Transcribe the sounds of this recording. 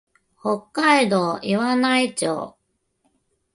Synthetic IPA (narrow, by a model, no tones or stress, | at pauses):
hokːaid̪o̞ːʔiβanait͡ɕo̰ː